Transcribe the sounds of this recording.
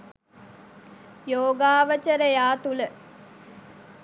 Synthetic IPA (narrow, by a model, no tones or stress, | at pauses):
joːɡaːʋət͡ʃəɾəjaːt̪ulə